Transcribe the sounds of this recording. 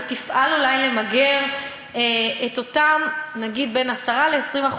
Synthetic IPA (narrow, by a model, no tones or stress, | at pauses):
tifʔalulajle̞maɡeʁ | eeto̞tamnaɡid̪̚be̞nasaʁaleesʁimaχ